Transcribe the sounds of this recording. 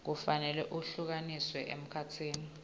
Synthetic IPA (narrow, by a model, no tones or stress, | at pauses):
k̬ufanɛlɛʔuɬuk̬aniswɛʔḛm̩kʰatʰiːni